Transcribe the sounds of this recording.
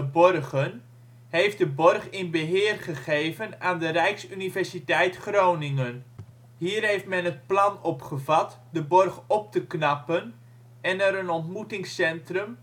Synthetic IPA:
əbɔrχən | ɦejf̚dəbɔrχɪnbəɦɪːrχəχejvənaːndərɛjksynivɛɹsitɛjtχrownɪŋən | ɦiːrɦejftmɛnətplɑnɔpχəvɑt | dəbɔrχɔp̚təknɑpən | ɛnɛɾənɔntmutɪŋsɛntrəm

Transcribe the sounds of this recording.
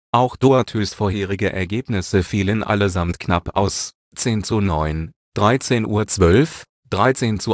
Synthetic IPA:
ʔaʊxd̥oatʰyːsfoːɐɦeːʁɪɡəʔɛ̰ɐɡeːpnɪsəfiːlənʔa̰ləzamtkʰnapa̰ʊs | t͡seːnt͡sunɔʏn | d̥ʁaɪt͡seːnʔuːɐt͡sv̥œlf | d̥ʁaɪt͡seːnt͡su

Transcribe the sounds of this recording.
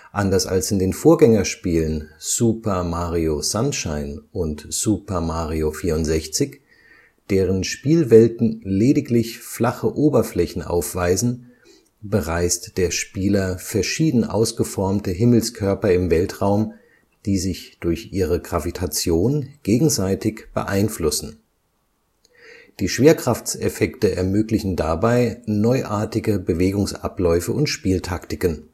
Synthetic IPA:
ʔandɐsa̰lsɪndeːnfoːɐɡɛŋɐʃpiːlənz̥upɐmaːʁioz̥anʃaɪnʔʊntz̥uːpɐmaːʁiofiːɐʊntz̥ɛçt͡sɪç | d̥eːʁənʃpiːlvɛltn̩leːdɪklɪçflaχəʔoːbɐflɛçn̩ʔa̰ʊfv̥aɪzn̩ | bəʁaɪstd̥eːɐʃpiːlɐfɛɐʃiːdn̩ʔa̰ʊsɡ̥əfɔɐmtəɦɪml̩skʰœɐpɐɪmvɛltʁaʊm | d̥iːzɪçd̥ʊɐçʔiːʁəɡʁavitʰat͡sjoːnɡ̥eːɡŋ̩zaɪtɪçb̥ə̰ʔa̰ɪnflʊsn̩ | d̥iːʃv̥eːɐkʁ̥aft͡sɛfɛktəʔɛɐmøːklɪçn̩dabaɪnɔʏʔaːɐtɪɡəbəveːɡʊŋsʔa̰plɔʏfəʔʊntʃpiːltʰaktɪkən

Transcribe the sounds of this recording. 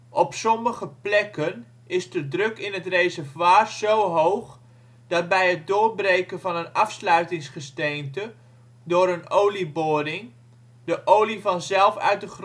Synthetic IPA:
ʔɔpsɔməχəplɛkən | ɪzdədrɵkɪnɦətrejzəɹvwaːrz̥owɦowχ | d̥ɑt̚bɛjɦət̚dʊːrbrejkənvɑnənɑfslœɥtɪŋsχəstejntə | dʊːɾənowliboːdɪŋ | dəʔowlivɑnzɛlˠfœ̰ɥt̚dəχr

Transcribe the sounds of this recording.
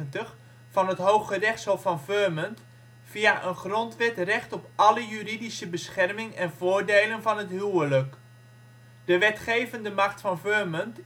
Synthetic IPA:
əntəχ | fɑnɦətɦowχərɛχtsɔlˠfɑnvømənt | fiaʔənχrɔntʋɛtrɛχtɔpɑləjyridisəbəsχɛrmɪŋɛnv̥oːɹdejlənvɑnɦətɦywələk | d̥əʋɛtχejvəndəmɑχtfɑnvømənt

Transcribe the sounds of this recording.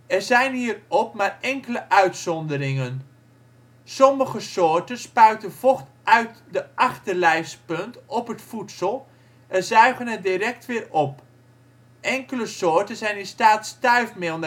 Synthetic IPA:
ɛrzɛjnɦiːrɔpmaːrɛŋkələʔœɥtsɔndəɾɪŋən | sɔməχəsʊːɹtənspœɥtəv̥ɔχtʔœɥtdəʔaχtərlɛjfspɵntɔpɦətfutsəlˠ | ʔɛnzœɥχənədirɛk̚tʋɪːrɔp | ʔɛŋkələsʊːɹtənzɛjnɪnstaːtstœɥfmɪlˠm

